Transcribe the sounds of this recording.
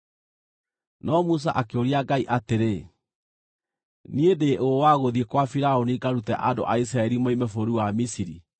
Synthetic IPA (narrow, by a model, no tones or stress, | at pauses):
nʔɔmus̬a̰ʔakeoɾiaɡaiʔateɾe | niedeʔowaɣoðiekwafiɾaoniɡaɾutɛʔado̰ʔais̬ɾaɛɾimoimefoɾuwamisiɾi